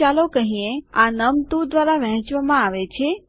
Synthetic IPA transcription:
alokəɦĩeanəmt̪ud̪ʋaɾaʋə̃ɦt͡ʃʋamãaʋet͡ʃʰe

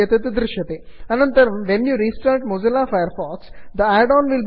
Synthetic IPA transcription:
ɐt̪ɐt̪d̪ɾɪʃjɐt̪eːɐnɐ̃nt̪ɐɾɐmʋenjuːɾiːsʈɐɾʈ̚mod͡ʒɐlaːfajəɾfɔːksd̪əæɖɔːnʋɪlb

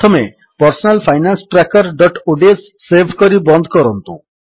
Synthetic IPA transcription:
t̪ʰɔme | pɔɾsɔnalpʰajnansʈɾakɔɾɖɔʈoɖesːebʰʱkɔɾibɔnd̪ʱɔkɔɾɔnt̪ṵ

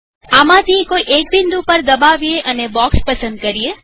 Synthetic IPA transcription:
amãt̪ʰikoiʔekbind̪upəɾd̪əbaʋieʔənebɔkspəsə̃nd̪̚kəɾie

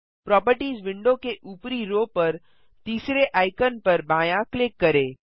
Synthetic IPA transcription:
pɾɔːpəɾʈiːzʋɪ̃ɳɖõkeʔuːpɾiɾoːpɐɾ | t̪iːsɾeʔaːɪkənpɐɾbaːjãklɪkːɐɾẽː

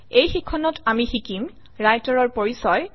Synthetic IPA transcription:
ejxikʰːɔnɔtamixikim | ɹajtɔɹɔɹpoɹisɔj

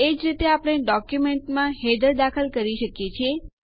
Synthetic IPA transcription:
ed͡ʒɾit̪eapəɽ̃eɖɔkjumeɳʈmãɦed̪əɾd̪akʰəlkəɾiʃəkjet͡ʃʰie

